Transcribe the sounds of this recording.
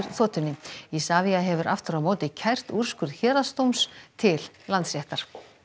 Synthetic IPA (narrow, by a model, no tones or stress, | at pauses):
ɾθɔːt̪ʏnːɪisaːviaɦɛvʏɾʔa̰ft̪ʏɾawmoːwt̪ɪcʰajr̥t̪ur̥skʏɾðçɛːɾast̪owmst̪ʰɪl | lant̪srjɛht̪aɾ̥